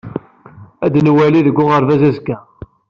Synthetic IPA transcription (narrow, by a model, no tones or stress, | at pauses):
æd̪nwæliðəɡʷːʊʁəɾvæzæzkːæ